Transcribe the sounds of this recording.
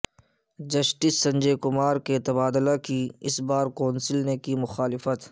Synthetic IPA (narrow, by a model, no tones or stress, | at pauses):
d͡ʒɐʃʈɪsːɐ̃ɲd͡ʒekʊmaːɾket̪ɐbaːd̪ɪlakiɪsbaːɾkɔːnsɪlnekimʊxaːlɪfət̪